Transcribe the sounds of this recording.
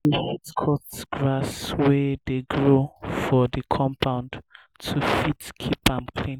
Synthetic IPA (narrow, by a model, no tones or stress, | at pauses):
əfitkʰɔtɡ̥ɹaswɛðeɡɹofɔðəkʰɔ̃mpʰãʊ̃nd | tʰufitkʰipãmkʰl̥ĩn